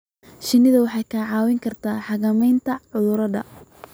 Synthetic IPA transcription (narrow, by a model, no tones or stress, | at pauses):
ʃɪnːɪðɐwɑħɑjkʰaːʕɑːwɪŋkʰɐrt̪ʰaːħɑɣɐmɛjnt̪ʰɐʕʊðʊɾɐdɐ̰